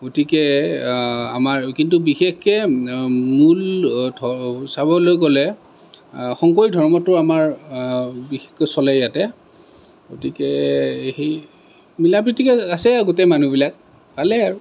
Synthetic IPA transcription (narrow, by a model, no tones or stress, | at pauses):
ɡ̥otikɛ | amaɹkintubixexkɛ | muldʱɔsabɔlojkɔlɛ | xɔŋkɔɹidʱɔɹmɔtʊɹamaɹ | bixe̥xkɔsɔlɛjatɛ | ɡotikɛxe | milapɹitikɛasɛɡotemanubilak̚ | palɛaɹu